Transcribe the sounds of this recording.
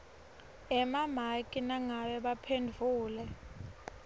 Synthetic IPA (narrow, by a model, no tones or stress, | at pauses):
ɛmam̤akʼinaŋaɓɛɓapʰendʱuːlɛ